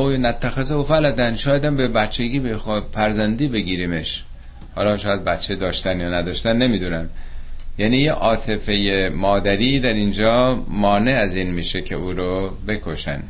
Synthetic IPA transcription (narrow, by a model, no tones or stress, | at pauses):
ojnæt̪ʰːæxezeofælæd̪ænʃɒːjæd̪æmbebætt͡ʃʰeɡiːbexfæɾzænd̪iːbe̞ɡiːɾiːme̞ʃ | hɒ̰ːlɒːʃɒːjæd̪̚bæt̪t͡ʃʰːed̪ɒːʃt̪ænjɒːnæd̪ɒːʃt̪ænːe̞miːd̪uːnæmjæniːjeʔɒːt̪ʰe̞fe̞jemɒːd̪æɾiːd̪æɾind͡ʒɒːmɒːne̞æziːnmiːʃe̞cʰe̞̰ʔuːɾobe̞kʰo̞ʃæ̰n